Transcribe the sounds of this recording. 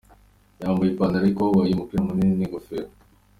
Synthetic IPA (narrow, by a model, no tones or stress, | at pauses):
jaːmbujipanaɾaikowaiimupiamuniniɡofeɾo